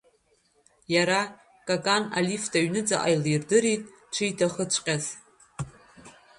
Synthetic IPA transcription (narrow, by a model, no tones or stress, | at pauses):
jaɾa | kʼakʼana̰lifdaɥnɨd͡zaʔajlirdɨɾitʼ | ʈ͡ʂʷʰɨjtʰaχət͡ʃʷʼqʲʼaz